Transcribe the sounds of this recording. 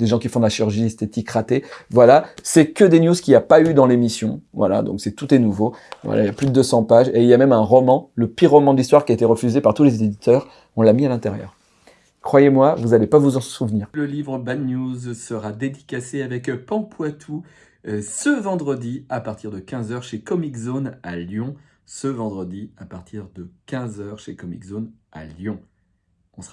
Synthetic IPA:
d̪eʒɑ̃kʲifɔ̃d̪əlaʃiʁyʁʒiɛst̪et̪ikʁat̪evwalasɛkəd̪enjuzkʲiapayd̪ɑ̃lemisjɔ̃vwa̰la̰d̪ɔ̰̃ksɛt̪ut̪ɛnuvovwa̰la̰iljaplyd̪əd̪øsɑ̃paʒeiljamɛmɛ̃ʁɔmɑ̃ləpiʁːɔmɑ̃d̪əlist̪waʁkʲiaet̪eʁəfyzepaʁt̪ulezeed̪it̪œʁ | ɔ̃lːamialɛ̃t̪ɛʁjœ̰ːʁ | kχwajemwavuzalepavuzɑ̃suvniːʁləlivʁəbad̪njuzsəʁad̪ed̪ikaseavɛkpɑ̃pʰwat̪ʰu | səvɑ̃d̪ʁəd̪iapaʁt̪iʁd̪əkʲɛ̃zœʁʃekɔmikzonaljɔ̃ | səvɑ̃d̪ʁəd̪iapaʁt̪ʰiʁd̪əkʲɛ̃zœʁʃekɔmḭkzona̰ljɔ̃ | ɔ̃sʁ

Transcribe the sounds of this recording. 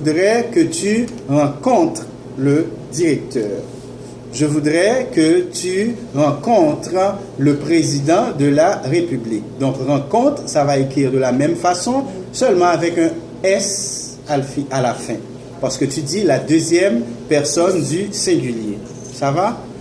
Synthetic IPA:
ud̪ʁɛkət̪yʁɑ̃kɔ̃t̪χ | ləd̪iʁɛk̚t̪œːʁ | ʒəvud̪ʁɛkət̪yʁɑ̃kɔ̃t̪χ | ləpχezid̪ɑ̃d̪əlaʁepyblik̚d̪ɔ̃kʁɑ̃kɔ̃t̪χsavaekχiʁd̪əlamɛmfasɔ̃sœlmɑ̃avɛkɛ̃ | ɛs | afalafɛ̃ | paʁsə̥kət̪yd̪ilad̪øzjɛmpɛʁsɔnd̪ysɛ̃ɡʲylje | sava

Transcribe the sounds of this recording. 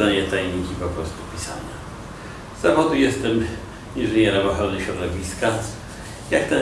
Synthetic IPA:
aɲɛt̪ajɲikʲipɔpɾɔst̪upʲisa̰ɲa | z̥avɔd̪ujɛst̪ɛm | iʐɘɲɛɾavɔxɔlnɘɕɾɔd̪ɔvʲiska | jakt̪ɛ

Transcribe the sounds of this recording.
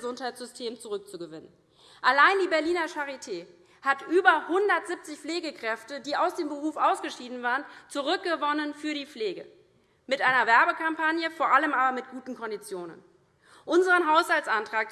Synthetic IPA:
zʊnthaɪtz̥ʏstʰeːmt͡suʁʏk̚t͡suɡəvɪnən | ʔalaɪndiːbɛɐliːnɐʃaʁitʰeː | hatʔyːbɐhʊndɐtz̥ɪp̚t͡sɪçfleːɡəkʁ̥ɛftədiːʔaʊsd̥eːmbəʁuːfʔaʊsɡ̥əʃiːdn̩vaːʁənt͡suʁʏk̚ɡ̥əvɔnənfyːɐdiːp͡fleːɡə | mɪtʔaɪnɐvɛɐbəkʰampʰanjəfoːɐʔaləmaːbɐmɪt̚ɡ̥uːtn̩kʰɔndit͡sjoːnə̰n | ʔʊnzəʁənɦaʊshaltsʔantʁ̥aːk̚

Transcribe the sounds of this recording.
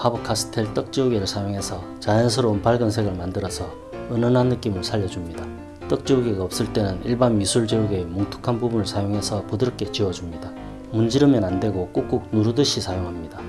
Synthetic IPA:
habɯkʰasʰɯ̥tʰeɭt͈ʌk̚t͡ɕ͈iuɡeɾɯɭsʰajoŋɦe̞sʰʌt͡ɕajʌnsʰɯɾoːnpʰaɭɡʌnsʰe̞ɡɯɭmandɯɾʌsʰʌ | ɯnʌnɦanːɯk͈imɯɭsʰaʎːʌd͡ʑumɲida | t͈ʌk̚t͡ɕ͈iuɡeɡaʌp̚s͈ɯɭt͈e̞nɯniɭbanmisʰuɭd͡ʑeuɡe̞moŋtʰu̥kʰanbubunɯɭsʰajoŋɦe̞sʰʌpodɯɾk͈e̞t͡ɕiwʌd͡ʑumɲida | mund͡ʑiɾɯmjʌnandwe̞ɡok͈ok͈uk̚nuɾudɯɕʰisʰajoŋɦamɲida

